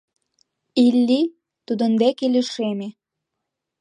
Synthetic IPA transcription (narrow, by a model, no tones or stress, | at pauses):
ilːi | t̪ud̪ə̆nd̪ekeleʃeme